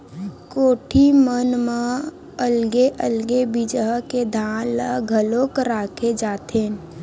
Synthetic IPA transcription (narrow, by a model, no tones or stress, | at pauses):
koːʈʰimənme | əlɡeʔəlɡebɪd͡ʒɦked̪ʱaːlaɡʱəlõkɾaːkʰed͡ʒaːt̪ʰeːn